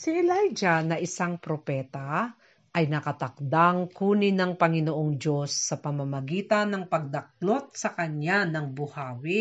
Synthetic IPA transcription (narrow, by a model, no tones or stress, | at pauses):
siʔɛlajd͡ʒɐnɐʔɪsaŋpɾopɛːt̪ɐ | ʔɐjnɐkɐt̪ɐk̚d̪aŋkuːnɪnɐŋpɐŋɪnoʔoŋd͡ʒo̞sːɐpɐmɐmɐɡiːt̪ɐnɐŋpɐɡ̚d̪ɐk̚lo̞t̪̚sɐkɐɲanɐŋbʊhaːwɪ